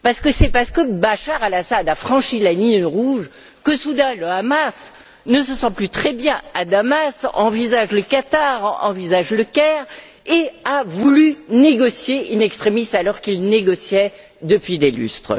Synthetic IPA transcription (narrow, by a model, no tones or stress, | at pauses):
paʁsə̥kəsɛpaʁsə̥kəbaʃaʁalasad̪afχɑ̃ʃilaniʁuʒ | kəsud̪ɛ̃ləamas | nəsəsɑ̃plyt̪χɛbjɛ̃ad̪amasɑ̰̃vizaʒləkat̪aʁɑ̰̃vizaʒləkʲɛʁ | eavulyneɡɔsjeynɛkst̪χemist̪alɔʁkilneɡɔsjɛ | d̪əpɥid̪ely̰st̪χə